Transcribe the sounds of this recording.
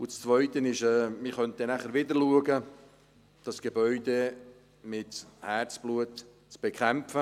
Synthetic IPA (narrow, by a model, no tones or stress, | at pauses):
ʊt͡st͡svœʏtənɪʃɛːmɪχœnt̚ɛnæχəɾʋɪdərluəɡə | d̥ɑsɡ̥ebœʏde | mɪthært͡sb̥luət | t͡sb̥ekʰɛmfə